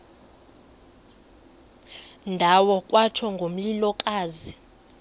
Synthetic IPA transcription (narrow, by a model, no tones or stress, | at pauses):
ndʱawɔkʼwat͡ʃʰɔŋɡʱom̩lilɔkʼaːzi